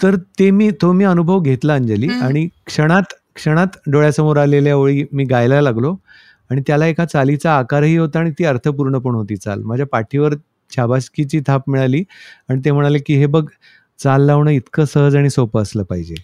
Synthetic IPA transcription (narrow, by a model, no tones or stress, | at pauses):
t̪əɾt̪emiːt̪omiːənubʱəʋɡʱet̪laːɲd͡ʑaliːaɽ̃ikʂəɽ̃at̪ | kʂəɽ̃at̪ɖoɭjasəmoɾaleljaʋoɭiːmiːɡajlalaɡlo | aɽ̃it̪jalaekʰat͡salit͡saːkaɾɦiːɦot̪aːɽ̃it̪iːəɾt̪ʰəp̬uɾɳəpəɳɦot̪iːt͡sa̰lm̤əd͡ʑʱjapaʈʰiʋəɾ | t͡ɕʰjabaskit͡ɕiːt̪ʰapmiɭaliːaɽ̃it̪em̤əɽ̃alekiːɦebəɡ | t͡salːaʋɳəːit̪kəːsəɦəd͡zaɽ̃isopəːsləːpaɦid͡ʑḛ